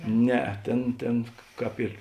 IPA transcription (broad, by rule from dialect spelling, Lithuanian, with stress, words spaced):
ˈnʲɛɐ ˈtʲeːn ˈtʲeːn ˈkɑːp ɪr